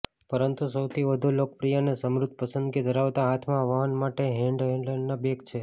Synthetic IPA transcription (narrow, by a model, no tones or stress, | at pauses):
pəɾənt̪usəwt̪ʰiʋəd̪ʱulok̚pɾijanesəmɾʊd̪ʱpəsənd̪ɡid̪ʱəɾaʋt̪aɦat̪ʰmãʋaɦənmaʈeɦɛ̃ɳɖɦɛ̃ɳɖleɳɖnabeɡt͡ʃʰe